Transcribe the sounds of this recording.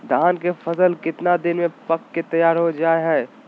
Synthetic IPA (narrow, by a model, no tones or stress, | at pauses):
d̪ʱaːnkefɐsəlkɪt̪nad̪ɪnmẽpɐkːet̪ɐjaːɾɦod͡ʒaːeɦɛ̃ː